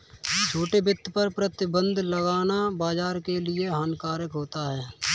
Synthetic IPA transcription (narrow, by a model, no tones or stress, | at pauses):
t͡ʃʰoːʈebɪt̪ʰːpɐɾpɾət̪ɪbə̃nd̪ʱləɡaːnabaːd͡ʒaːɾkelɪeɦaːnkaːɾəkɦoːt̪aɦɛː